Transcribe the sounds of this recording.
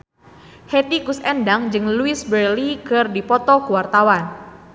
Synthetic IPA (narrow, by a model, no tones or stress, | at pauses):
hɛt̪ikusɛndaŋd͡ʒɨŋluɪsbəlikɨrdipɔt̪ɔkuwart̪awan